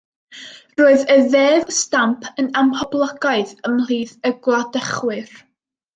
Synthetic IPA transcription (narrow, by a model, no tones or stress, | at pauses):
roːɨðəðeːvstampʰənamhɔblˠəɡaɨðəmliːðəɡlˠadəχwɨr